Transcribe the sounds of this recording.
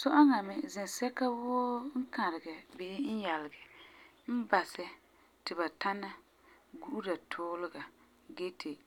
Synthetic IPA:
sɔ˦ʔɔ˦ŋa˨mɪ˨zɛ˨sɛ˦ka˦wʊː˦ŋ̩˦ka˨ɾɪ˨ɡɛ˨bɪ˦n̩˦jɛ˨lɪ˨ɡɛ˨ | m̩˦ba˨sɛ˨ | tɪ˨ba˨ta˦na˦ | ɡu˦ʔu˦da˨tʰʊː˦lɪ˦ɡa˨ | ɡe˦tʰe˨

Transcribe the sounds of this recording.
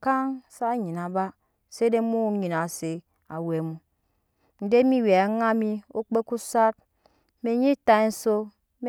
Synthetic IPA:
ka˦ŋsa˦ɲi˨na˨ba˦ | se˦de˦mu˦ɲi˨na˨se˨ | a˨we˨mu˦ | n̩˦de˦mi˦we˨a˨˦ŋa˦mi˦o˦k͡pe˦ku˦sa˦t̚ | me˨˦ɲi˦ta˦n̩˦so˦ | m

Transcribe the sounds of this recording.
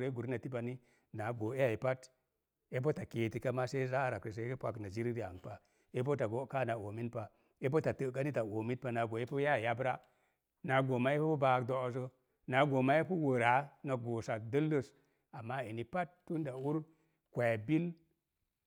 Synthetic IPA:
ɾe˦ɡu˨ɾna˨ti˦ba˨ni˦ | na˨ɡo˨e˦ja˨i˨pa˦t | e˦p̬o˦ta˨ke˨ti˨ka˦ma˦se˦za˦˨ɾa˨ki˨s̬e˨e˦e˦pʷa˨kna˨d͡ʒi˦ɾi˦ɾi˦˨a˨ŋ˨pa˨ | e˦p̬o˦ta˨ɡo˦ka˦˨na˨o˨mi˦npa˨ | e˦p̬o˦ta˨tə˨ka˦ni˦ta˨o˨mi˦tpa˨na˨ɡo˨e˦pu˦ja˦˨ja˦bɾa˦ | na˨˦ɡo˨ma˦e˦po˦o˦ba˨kdo˨s̬o˦ | na˨˦ɡo˨ma˦e˦pu˦wə˨ɾa˨˦na˨ɡo˨sa˨k̚də˦lːə˨s | a˨mːa˦e˨ni˨pa˦tːu˦nda˨u˦ɾ | kʷa˨ja˨bi˦l

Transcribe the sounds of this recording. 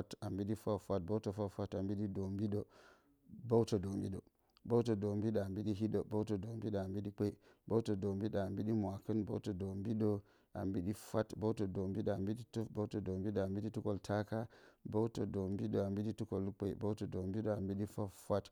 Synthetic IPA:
ta˨mbi˦ɗi˦fa˦fʷa˦t̚bo˦to˨fa˦fa˦ta˨mbi˦ɗi˦do˨mbi˦ɗo˨ | bo˦wto˨do˨mbi˦ɗo̰˨ | bo˦to˨do˨mbi˦ɗo˨a˨mbi˦ɗi˦ɦi˦ɗo˨bo˦wto˨do˨mbi˦ɗo˨a˨mbi˦ɗi˦k͡pe˦i˨ | bo˦wto˨do˨mbi˦ɗo˨a˨mbi˦ɗi˦mwa˨kə˦nbo̰˦wto˨do˨mbi˦ɗo˨ | a̰˨mbi˦ɗi˦fa˦tbo˦wto˨do˨mbi˦ɗo˨a˨mbi˦ɗi˦tu˦bo˦wto˨do˨mbi˦ɗo˨a˨mbi˦ɗi˦tu˦ko˨ltʰa˦ka˦bo˦wto˨do˨mbi˦ɗo˨a˨mbi˦ɗi˦tu˦ko˨lk͡pḛ˨bo˦wto˨do˨mbi˦ɗo˨a˨mbi˦ɗi˦fa˦fʷa˦t

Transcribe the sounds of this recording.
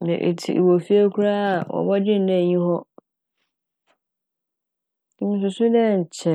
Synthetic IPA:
nɛ̰̃˨ʔḛ˨tʰḭ˨ʔḭ˨wo˨fi˦a˦kʰu˦ɾa˦a˨wɔ̰˨bɔ˦d͡ʑɪ̃˦n̩˦dɛ̃˦˨ɲĩ˦hɔ̃˦ | i˨mĩ˨s̬ʊ̃˨sʊ̃˦dɛ̃˦˨ɲ̩˨t͡ɕʰɛ˨

